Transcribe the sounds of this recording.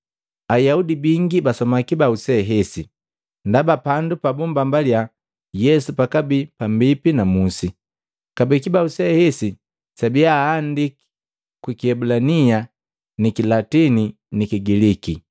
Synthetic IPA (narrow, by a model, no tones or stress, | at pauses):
ajaudibiŋɡibasɔmakibausɛɦɛsi | ndabapandupabumbambalja | jɛsupakabipambipinamusi | kabikibausɛhɛsi | sabiaːndiki̥ | kwikiɛbulania | nikilatini | nikiɡiliki